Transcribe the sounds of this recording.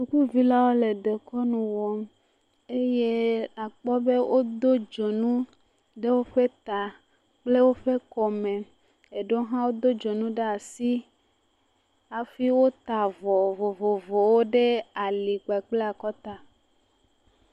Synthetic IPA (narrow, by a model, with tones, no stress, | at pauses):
su˨ku˦vi˦la˦wo˦le˨d̪e˨kɔ˦nũ˨wɔ˨m | e˦je˦a˨k͡pɔ˦be˦wʔo˦d̪o˦d͡ʒo˨nũ˦ | ɖe˦wo˦ɸe˦t̪a˨ | k͡ple˦wo˦ɸe˦kɔ˨mẽ˨ | e˨ɖo˦ɦã˦wo˦d̪o˦d͡ʒo˨nũ˦ɖe˦a˨si˦ | a˨fi˦wo˦t̪a˨vɔ˨vɔ˨vɔ˨vɔ˨wo˦ɖe˦a˨li˨k͡pa˨k͡ple˦a˨kɔ˦t̪a˨